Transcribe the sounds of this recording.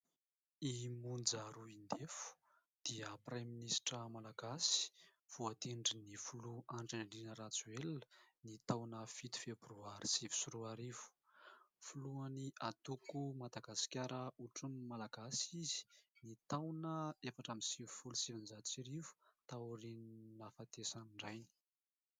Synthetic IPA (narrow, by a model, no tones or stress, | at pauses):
imund͡zaɾuind̪efu̥ | d̪̥iəpreminisʈ͡ʂəmalaɡasi̥v̥uat̪eɳɖ͡ʐinifuluaɳɖ͡ʐeɖ͡ʐinəɾat͡suelnit̪awnəfit̪i̥februaɾisivi̥suɾuaɾivu̥fuluaniʔat̪ukumad̪aɡasi̥kʲaɾəuʈ͡ʂunimalaɡasizi̥nit̪awnəefaʈ͡ʂamisivifulusivinzat͡siɾivu̥t̪auɾinnafat̪esaniɳɖ͡ʐajni̥